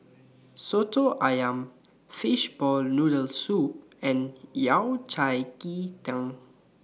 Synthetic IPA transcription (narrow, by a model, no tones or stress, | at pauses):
sotoʔajãm | fiʃbɔlnudəlsup̚ | ɛ̃njawt͡ʃajkitãŋ